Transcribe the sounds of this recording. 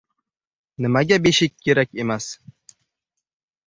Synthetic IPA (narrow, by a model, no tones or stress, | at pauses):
nɘ̆mæɡʲæbʲeɕikʲːeɾækʲemæs